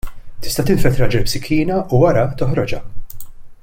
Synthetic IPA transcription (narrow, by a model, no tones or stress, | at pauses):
t̪ɪ̥st̪ɐt̪ɪɱfɛt̪ɾɐd͡ʒɛlpsɪkʰːiːnɐʔuwɐɾɐt̪ɔħɾɔd͡ʒɐ